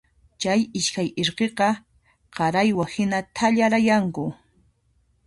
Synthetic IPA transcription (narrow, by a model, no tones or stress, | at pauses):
t͡ʃajɪʃkajeɾqeqɑ | qɑɾajwahɪnat̪ʰaʎaɾajaŋkʊ